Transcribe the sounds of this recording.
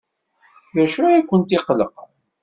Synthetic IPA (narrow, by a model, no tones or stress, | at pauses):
ðæʃujækʷːənt̪iqləq